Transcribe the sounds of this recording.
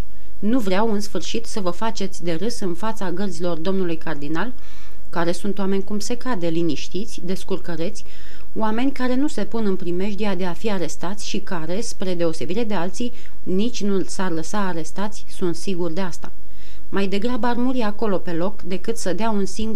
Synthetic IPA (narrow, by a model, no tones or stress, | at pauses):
nuvɾeawɨnsfɨrʃit̪səvəfat͡ʃe̞t̪sʲd̪e̞ɾɨsɨnfat̪saɡərzilo̞rd̪o̞mnulujkard̪inal | kaɾe̞sunt̪oame̞nʲkumse̞kad̪e̞liniʃt̪it̪sʲd̪e̞skurkəɾe̞t̪sʲ | wame̞nʲkaɾe̞nuse̞punɨnpɾime̞ʃd̪iad̪e̞afiaɾe̞st̪at̪sʲʃikaɾe̞spɾe̞d̪e̞o̞se̞biɾe̞d̪e̞alt̪sij | nit͡ʃʲnusarləsaːɾe̞st̪at̪sʲsunt̪siɡurd̪e̞ast̪a̰ | majd̪e̞ɡɾabəarmuɾiako̞lo̞pe̞lo̞kd̪e̞kɨt̪səd̪eaunsiŋɡ